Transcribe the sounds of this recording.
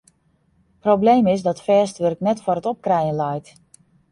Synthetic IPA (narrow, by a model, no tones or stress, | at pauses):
prowblejmɪsdɔtfɛːstʋɵrknɛtfɔrətɔp̚krɛjənlɛjt